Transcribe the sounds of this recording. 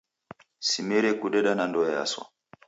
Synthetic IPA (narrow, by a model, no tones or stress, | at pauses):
simɛɾɛkuɗɛɗanandɔja̰swa̰